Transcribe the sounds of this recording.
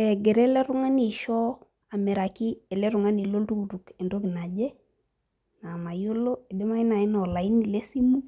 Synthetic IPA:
ɛ˨ɡe˨ɾɛ˦le˦ɾu˦ŋa˦ni˨ʃɔ˦ | a˨me˨ɾa˨ki˦e˨le˦ɾu˨ŋa˦ni˨lo˦ltu˦ɡu˨ɾu˨ke˨ndo˦ki˨na˨d͡ʒɛ˦ | na˨ma˨jo˦lo˦e˨de˦ma˦i˦na˨i˦nɔ˨la˨i˦ni˨le˦si˦mu˦

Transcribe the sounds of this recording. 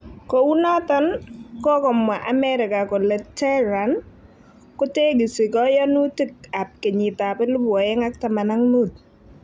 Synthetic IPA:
ko˨wu˦nɔ˦t̪ɔ˦nkɔ˦kɔ˨mwa˨ʔa˨mɛ˦ɾɪ˨ka˨kɔ˨lɛ˨tɛ˦ɾa˨n | kʊ˦te˦ɡi˨si˨kɔ˦jɔ˦nu˦ti˦ka˨p̚ke˨ɲɪ˨ta˨pɛ˦lʊ˦bwɔ˨jɛ˦ŋa˦k̚ta˨ma˨na˦ŋnu˦˨t̚

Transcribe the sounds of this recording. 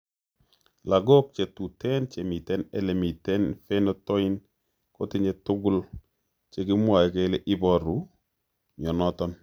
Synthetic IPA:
la˨ɡɔ˦k̚t͡ʃe˨tu˨tɛ˦nt͡ʃe˨mi˨tɛ˦ne˦le˨mi˨tɛ˦nfe˦nɔ˦tɔ˦ɪ˦n | ko˦tɪ˦ɲe˦tʊ˦ɡʊ˦l | t͡ʃe˨ɡɪ˦mwa˨ɛ˨ke˦le˦ʔɪ˦bɔ˨ɾu˨˦ | ɲɔ˨nɔ˦tɔ˦n

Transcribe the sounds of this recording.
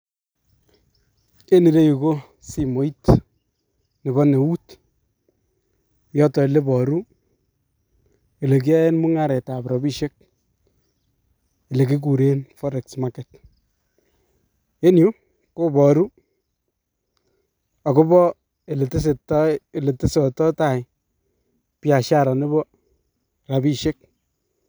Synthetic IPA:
e˦ni˨ɾe˦ju˨ko˦ | si˦mo˨˦i˦t | nɪ˨bɔ˦ne˨wu˦t | jɔ˦tɔ˨e˨le˦bɔ˨ɾu˦ | e˨le˨k̬i˦a˦e˦nmu˦ŋa˦ɾɛ˨ta˨pɾɔ˨bi˦ʃe˦k̚ | e˨le˨ki˦k̬u˨ɾe˦nfɔ˦ɾɛ˨ksma˦kɛ˨t | e˦nju˦ | ko˦bɔ˨ɾu˦ | a˨ko˦bɔ˦ | e˨le˨te˦s̬e˨te˨le˨te˦sɔ˨tɔ˦ta˦˨ɪ˨ | pja˨ʃa˦˨ɾa˨ne˦bɔ˦ | ɾa˨bi˦ʃe˦k̚

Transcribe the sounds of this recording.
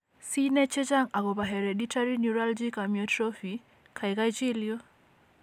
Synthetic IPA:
si˦nɛ˦t͡ʃɛ˦t͡ʃa˦ŋa˨kɔ˨pa˨ɦɛ˨ɾɛ˨di˦tʰa˦ɾi˦nju˨ɾa˦ld͡ʒi˦ka˨miɔtɾɔ˦fi | kʰa˨i˨ka˦jt͡ʃi˦ljo˦

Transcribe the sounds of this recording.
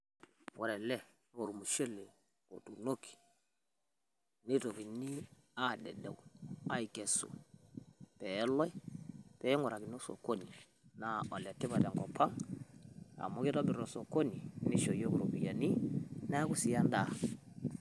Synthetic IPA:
wɔ˨ɾɛ˨lɛ˦ | o˨ɾu˨mu˨ʃɛ˦le˨ | o˨tu˨no˦ki̥˨ | nɪ˦to˨ki˨ni˦ | a˦˨dɛ̰˨dɛ̰˨wua˦i˨kɛ˨sṵ˨ | pɛ˨˦lɔ˦jpɛ˨˦ŋɔ˨ɾa˨kɪ˨n˦o˦so̰˨ko˦ni˨ | na˨ɔ˨lɛ˨tɪ˦ba˨tɛ˨ŋkɔ˨pʰa˦ŋ | a̰˨mo˦kɪ˦tɔ˦bɪ˨ɾo˨so˨ko˦ni˨nɪ˦ʃo˨jo˦ku˨ɾo˨bi˨ja˨ni˦na˦ku˦si˨a˦nda˨

